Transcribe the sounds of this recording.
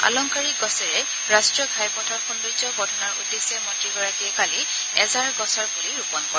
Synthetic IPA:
a̰lɔŋkaɹik̚ɡɔsɛɹɛ | ɹastɹiɔɡʱajpɔtʰaɹxundud͡ʒɔbɔdʱɔnaɹṵdːesɛmɔtɹiɡɔɹakiɛkali | ɛzaɹɡɔsɔɹbuliɹupɔnkɔɹ

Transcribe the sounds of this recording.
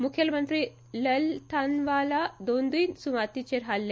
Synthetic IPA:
mukʰjəlmənt̪ɾiː | ləlt̪ʰanʋalad̪ond̪iːnsuʋat̪it͡ɕeɾɦalːe

